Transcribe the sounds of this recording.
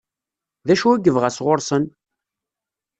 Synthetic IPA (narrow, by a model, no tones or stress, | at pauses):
ðæʃuæɡəvʁəsʁoɾˤsən